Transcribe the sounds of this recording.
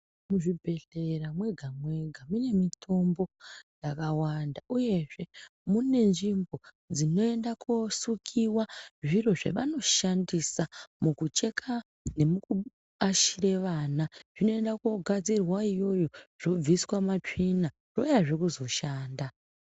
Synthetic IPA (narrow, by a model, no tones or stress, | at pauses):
muʐibʱe̞ɮeramwe̞ɡʱamwe̞ɡʱamune̞mitʰo̞mbo̞jakawandauje̞ʐe̞mune̞nʐimbo̞ | d͡zino̞e̞ndakʰosukʰiwaʐiro̞ʐe̞̰ʋano̞ʃandisamukut͡ʃe̞kʰa | ne̞muku | aʃiɾe̞ʋanaʐ̥ino̞e̞ndako̞ɡʱad͡zirwaijo̞jo̞ʐ̥o̞b͡viswamat͡ʂina | ro̞jaʐe̞kuzo̞ʃaːnda